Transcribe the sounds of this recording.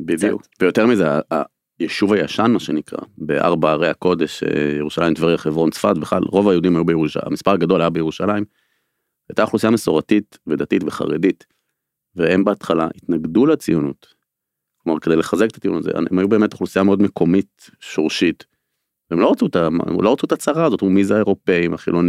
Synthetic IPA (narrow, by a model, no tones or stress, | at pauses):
bidijṵkvejo̞t̪eʁmizea̰ː | jeʃuvajaʃanmaʃenikʁa̰beʔa̰ʁbaːʁejako̞d̪eʃḛjeʁuʃalaimt̪vaʁiχevʁo̞nt͡sfatbeχla̰lʁo̞vajeud̪imhajubejeʁuʃa̰a̰mispaʁaɡad̪o̞lajabejeʁuʃalaim | ajt̪aχlusijameso̞ʁatit̪ved̪at̪itveχa̰ʁedit | veembeat̪χalaʔit̪naɡd̪ulat͡sijunut̪ | klomaʁkede̞jleχazeket̪ḁt͡sijṵnutazḛemajube̞ːmet̪χlusijameo̞dmekʰo̞mit̪ | ʃoʁʃit̪ | veemlo̞ʁat͡sut̪ama̰lo̞ʁat͡suet̪at͡saʁazo̞tumizeaeʁo̞pe̞imaχḭlo̞ni